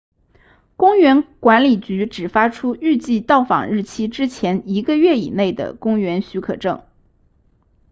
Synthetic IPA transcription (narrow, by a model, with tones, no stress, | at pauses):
kʊ˥ŋɥɛ˧˥nkwa˧˥nli˨˩t͡ɕy˧˥ʈ͡ʂɻ̩˨˩fa˥ʈ͡ʂʰu˥y˥˧t͡ɕi˥˧t̪ɑ˥˩ʊfɑ̰˨˩ŋɻɻ̩˥˩t͡ɕʰi˥ʈ͡ʂɻ̩˥t͡ɕʰjɛ˧˥ni˧˥ɡə˧ɥɛ˥˩ḭ˨˩ne˥˩ɪd̪ə̰˩kʊ˥ŋɥɛ˧˥nɕy˧˥kʰɤ̰˨˩ʈ͡ʂɤ̰˥˩ŋ